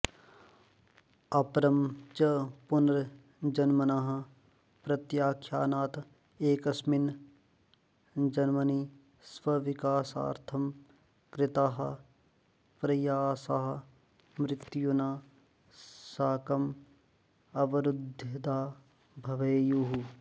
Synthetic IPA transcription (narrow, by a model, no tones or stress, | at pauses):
ɐpɾɐmt͡ʃɐpʊnɾ | d͡ʒɐnmɐnaɦɐ̆ | pɾɐt̪jaːkʰjaːnaːt̪ | eːkɐsmɪn | d͡ʒɐnmɐniː | sʋɐʋɪkaːsa̰ːɾt̪ʰɐm | kɾɪt̪aːɦɐ | pɾɐjaːsaːɦɐ | mɾɪkt̪ijunaː | saːkɐm | ɐʋɐɾud̪ʱjɐt̪aː | bʱɐʋɐjjuɦu